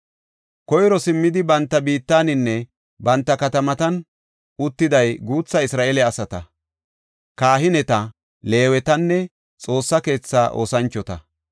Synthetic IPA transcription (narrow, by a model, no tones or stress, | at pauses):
kɔjɾɔsɪmːɪd̪ɪbɐnt̪ːɐbiːt̪ːaːnɪnːɛ | bɐnt̪ːɐkɐt̪ɐmɐt̪ɐn | ʊt̪ːɪd̪ɐjɡuːt͡sːɐɪsɾaːʔelɛɐsɐt̪ɐ | kaːɦɪnɛt̪ɐ | le̞ːwɛt̪ɐnːɛ | t͡sʼo̞ːsːɐke̞ːt͡sːaːʔo̞ːsɐnt͡ʃːɔt̪ɐ